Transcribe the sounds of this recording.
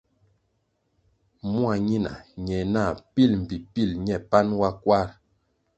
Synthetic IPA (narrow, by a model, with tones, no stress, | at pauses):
mwa˨ɲi˦na̰˨ɲɛ˨na˦˨pi˦lm̩˨pi˨pi˦˨lɲɛ˦˨pa˦nwa˦kwa˦ɾ